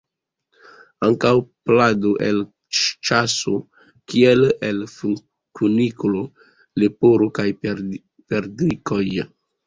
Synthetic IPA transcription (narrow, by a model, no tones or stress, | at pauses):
aŋkawpladoʔel | t͡ʃaso | kielel | kuniklo | lepoɾokaj | peɾdɾiko̞j